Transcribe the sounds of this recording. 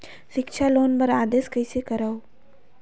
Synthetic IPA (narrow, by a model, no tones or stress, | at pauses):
sɪkʃʰaloːnbəɾaːd̪eːskəjsekəɾaw